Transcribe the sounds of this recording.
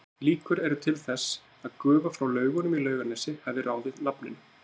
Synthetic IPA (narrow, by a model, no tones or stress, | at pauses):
liːkʏɾɛɾʏt̪ʰɪlθɛsː | aðkœːvafɾawlœːɥɣʏnʏmilœːɥɣanɛsɪhɛvðɪrʔaːwðɪðnapnɪ̰n